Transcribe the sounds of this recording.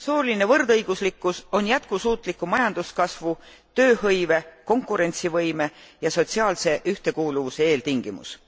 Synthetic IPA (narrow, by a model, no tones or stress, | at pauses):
soːline̞vɤrd̪ɤjɡ̥uslikːˑuso̞njæt̪̚kusuːt̪ˑlikːˑumɑjɑnd̪uskɑsvu | t̪ø̞ːɦɤjve̞ko̞ŋkːˑuɾe̞nʲt̪sivɤjme̞jɑso̞t̪ʲsiɑːlse̞ʔyht̪e̞kuːluvuse̞e̞ːlt̪iŋɡ̥imṵs